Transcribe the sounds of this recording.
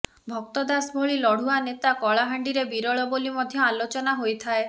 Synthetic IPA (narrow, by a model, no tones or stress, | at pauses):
bʱɔk̚t̪ɔd̪asbʱoɭilɔɽ̤uanet̪akɔɭaɦaɳɖiɾebiɾɔɭɔbolimɔd̪ʱjɔalot͡ʃɔnaɦojt̪ʰae